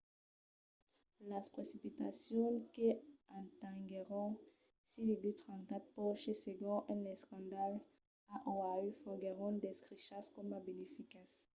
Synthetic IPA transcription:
laspχesipit̪a̰sjɔ̃keãt̪ɛ̃ŋɡeʁɔ̃ | siviɡyt̪χɑ̃nkat̪̚pɔʃeseɡɔ̃ʔɛ̃nɛskɑ̃d̪al | aʔɔ̃ayfɔɡeʁɔ̃d̪ɛskʁiʃaskɔmabenefikas

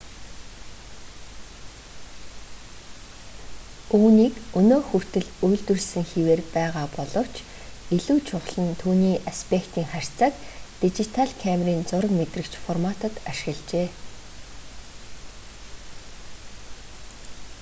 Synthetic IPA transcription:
uːniːkɵnoːxur̥t̪ɘ̆ɮujɮt̪ɵ̆rɮsɘ̆ŋxiweːrpæːʁaːpɔɮɞ̆w̥t͡ɕʰ | eɮuːt͡ɕʰʊχɮə̆nt̪ʰuːniːʔaspʰekt̪iːŋχar̥ʲt͡saːkt̪it͡ɕit̪ʰaɮkʰæmʲriːnt͡sʊɾə̆kmet̪rɘ̆kt͡ɕfɔrmat̪ə̆t̪aʃɪ̥̆ɣə̆ɮt͡ɕeː

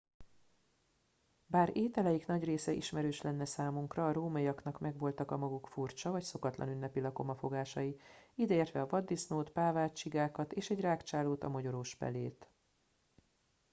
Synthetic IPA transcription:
baːɾeːt̪ɛlɛjiknɒɟreːsɛʔiʃmɛɾøːʃlɛnːɛsaːmuŋkrɒːɾoːmɒiɒkn̪ɒkmɛɡvo̞lt̪ɒkɒmɒɡukfurt͡ʃɒvɒcso̞kɒt̪lʔɒ̰nynːɛpilɒko̞mɒfo̞ɡaːʃɒjiid̪ɛeːrt̪ʋɛɒvɒd̪ːisnoːt̪paːvaːt͡ʃiɡaːkɒt̪eːʃɛɟraːkt͡ʃaːloːt̪ɒ̰mɒɟo̞ɾoːʃfɛ̰leːt̪

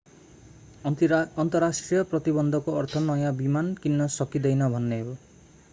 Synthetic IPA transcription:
ɔnt̪ɔɾasʈɾijɔpɾɔt̪ibɔnd̪ʱɔkoɔɾt̪ʰɔnɔjabimankinːɔsɔkid̪ejnʌbʱɔnːeo

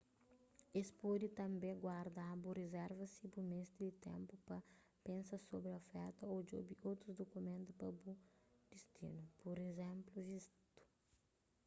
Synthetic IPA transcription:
espɔd̪it̪ɐ̃mbẽɡwaɾd̪aburezɛɾvɐsibumest̪id̪it̪ḛ̃mpupɐ | pẽnsɐsobɾiofɛɾt̪ɐod͡ʒo̰biowt̪ɾuzd̪okumẽnt̪upɐbud̪̥ist̪ḭnupoɾezẽmpluvist̪u̥

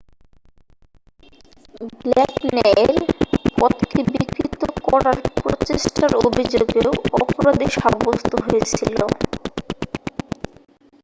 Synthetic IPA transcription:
blɛknɛeɾpɔt̪kibikɾit̪okɔɾaɾpɾot͡ɕeʃʈaɾobʱid͡ʑoɡeoɔpoɾad̪iʃabost̪oɦojet͡ɕʰilo

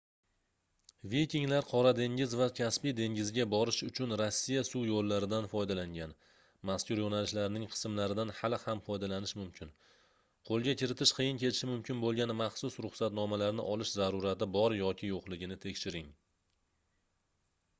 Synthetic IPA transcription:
vijkʲɪŋlaɾqʰɒɾad̪e̞ŋɪzvakʲʰaspijd̪e̞ŋɡʲɪzɪɡʲabɒɾɪʃʊt͡ʃʰʊnɾasːijasuwjolːaɾɪd̪anfɒjd̪alaŋɡʲan | maskʲʊɾjonalɪʃlaɾnɪŋqʰɨ̥sɨmlaɾɪd̪anhalˠhamfɒjd̪alanɪʃmʊmkʲʰɪn | qʰolˠɡʲakʲɪɾɪt̪ʰɪʃqʰɨjɪnkʲʰe̞t̪ʰɪʃɪmʊmkʲʰɪnbolˠɡʲanmaχsʊsɾʊχsat̪nɒmalaɾnɪ̰ʔɒlɪʃzaɾuɾat̪ɪbɒɾjɒkʲʰɪjoqlɪɡʲɪnɪt̪ʰekʲʃɪɾɪŋ

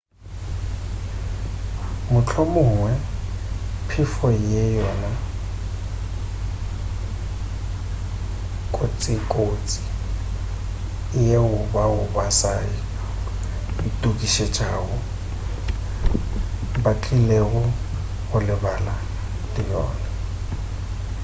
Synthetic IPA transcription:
mʊt͡ɬʰɔmʊːŋwɛ | pʰɪfɔjɛjɔna | kʼot͡sʼɪkʼot͡sʼi̥ | jeʊbaʊbasaɪ | ɪtʼukʼiʃet͡ʃʼaːɣʊ | bakʼileɣʊ | ɣʊlɪbala | lɪjɔ̰ːna

